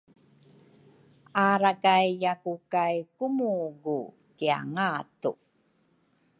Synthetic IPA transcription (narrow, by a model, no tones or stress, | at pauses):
aɾakajjakukajkumuɡu | kia̰ŋatṵ